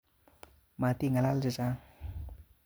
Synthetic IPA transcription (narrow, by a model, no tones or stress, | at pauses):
mat̪iŋalald͡ʒət͡ʃa